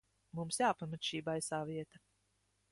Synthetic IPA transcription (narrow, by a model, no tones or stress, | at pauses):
mumsjaːpamat̪ʃiːbajsaːviɛt̪a